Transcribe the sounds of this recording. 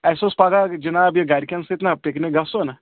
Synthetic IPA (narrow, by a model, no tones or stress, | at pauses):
ɛːsospaːɡad͡ʒɐnaːbjeɡaːɾkanseɪt̪napeːkneɡaːsona